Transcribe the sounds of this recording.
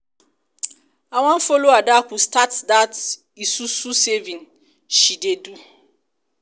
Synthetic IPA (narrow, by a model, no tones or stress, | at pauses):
aw̃ãnfoloadakustʰatdat | isususevĩn | ʃidedu